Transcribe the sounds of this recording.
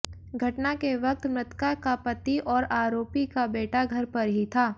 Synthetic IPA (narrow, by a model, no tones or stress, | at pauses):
ɡʱɐʈnakeʋɐk̚t̪mɾɪt̪kakapɐt̪iʔɔːɾaːɾoːpikabeːʈaɡʱɐɾpɐɾɦit̪ʰaː